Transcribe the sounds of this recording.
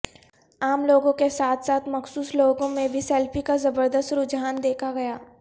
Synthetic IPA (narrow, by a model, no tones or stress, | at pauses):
aːmloːɡõkesaːt̪ʰsaːt̪ʰmɐxsuːsloːɡõmẽbʱisɛlpikazɐbəɾd̪əst̪ɾʊd͡ʒɦaːnd̪eːkʰaɡɐjaː